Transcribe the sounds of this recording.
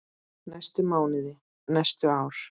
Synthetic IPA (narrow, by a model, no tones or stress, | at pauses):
najst̪ʏmaːwnɪðɪ | najst̪ʏaːwɾ̥